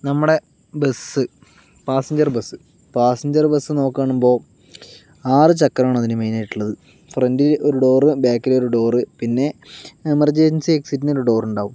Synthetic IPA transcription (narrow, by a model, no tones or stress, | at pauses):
nɐmːuɽe̞ | besɨ | paːsɐɲd͡ʑɐrbesːɨ | paːsɐɲd͡ʑɐrbesːɨno̞ːkːaːɳumbo̞ː | aːrɨt͡ɕɐkːɐɾaːɳɐðinɨmeːnajiʈːuɭːɐðɨ | frendiloɾuɖo̞ːrɨbaːkːileoɾuɖo̞ːrɨpinːe̞emɐrd͡ʑensieksitːineoɾuɖo̞ːruɳɖaːʋum